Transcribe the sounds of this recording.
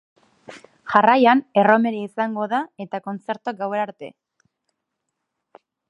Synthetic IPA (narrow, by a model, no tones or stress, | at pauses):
xarajane̞ro̞me̞ɾeisaŋɡo̞ðae̞t̪ako̞nt͡se̞ɾt̪oak̚ɡawe̞naɾt̪e̞̰